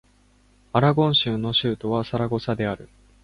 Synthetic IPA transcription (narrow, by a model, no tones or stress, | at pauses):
aɾaɡõ̞ɰ̃ɕɨːno̞ɕɨːt̪o̞βasaɾaɡo̞sad̪e̞aɾɯ̟